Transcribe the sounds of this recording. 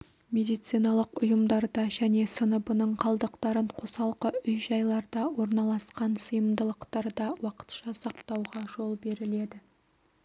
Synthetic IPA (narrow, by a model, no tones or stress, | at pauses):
mʲe̞d̪ijt̪sijnɑlˠəqʊjəmd̪ɑɾd̪ɑʒæne̞sənəbənəɴqʰɑlˠd̪əqt̪ɑɾəɴqʰo̞sɑlˠqəʏjʒɑjlˠɑɾd̪ɑwo̞ɾnɑlˠɑsqɑnsəjəmd̪əlˠəqt̪ɑɾd̪ɑwɑqə̥t̪ʃɑsɑqt̪ɑwʁɑʒo̞lˠbe̞ɾɪle̞d̪ɪ